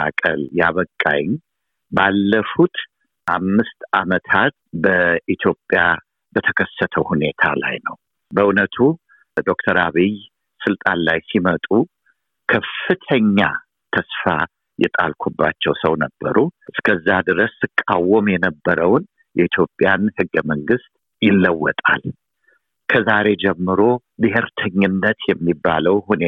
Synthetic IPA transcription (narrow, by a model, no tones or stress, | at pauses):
akʼə̰ljaβəkʼːa̰jɪɲ | balːəfut̪ | ʔamːɨst̪ʔamət̪ʰat̪̚bəʔit̪ʰjo̞pʼːja | bət̪ʰəkʰəsːət̪ʰəwhune̞t̪ʰa̰la̰jnəw | bəunət̪ʰu | d̪o̞k̚t̪ʰəɾaβij | sɨlt̪ʼanlajsimət̪ʼu | kʰəfɨt̪ʰəɲːa | t̪ʰəsfa | jɛ̰t̪ʼa̰lkʷʰubːat͡ʃːɛwsəwnəbːə̰ɾuʔɨskʰəzːad̪ɨɾəsːɨkʼːawːɔmjɛnəbːəɾəwn | jɛit̪ʰjo̞pʼjanhɨɡːəməŋɡɨst̪̚ʼ | jɪlːəwːɔt̪ʼa̰l | kʰəzaɾe̞d͡ʒɛmːɨɾo̞ | bɨheɾt̪ʰəɲːɨnːət̪jɛmːibːaləwhune